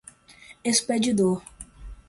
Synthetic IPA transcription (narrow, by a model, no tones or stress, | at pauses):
esped͡ʒid̪oɾ